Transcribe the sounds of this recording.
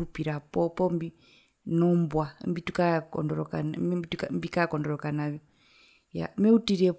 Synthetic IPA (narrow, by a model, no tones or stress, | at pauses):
upiɾapɔpɔmbi | nɔmbwambitukakɔ̰ndɔɾɔka̰nitukambikakɔndɔɾɔkanavjɔ | ja̰mɛutiɾɛ